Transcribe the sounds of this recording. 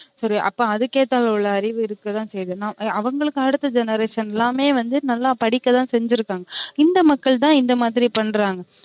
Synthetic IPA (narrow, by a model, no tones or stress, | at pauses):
sɔɾiʔɐ̰pːõːɐðɯkeːʈːaːlɐʊɭːɐɐɾɪʋɯɪɾɯkːɯt̪ãːsɛjðɯnaːmɐʋɐŋɡɐɭɯkːɯɐɽɯt̪ːɐd͡ʒɛnɐɾeːʂɐnɛlːaːmeːʋɐnd̪ɯnɐlːaːpɐɽɪkːɐt̪ãːsɛɲd͡ʒɪɾɯkːaːŋɡɐɪnd̪ɐmɐkːɐɭt̪̬ãːɪnd̪ɐmaːðɪɾipɐɳːɾaːŋɡɐ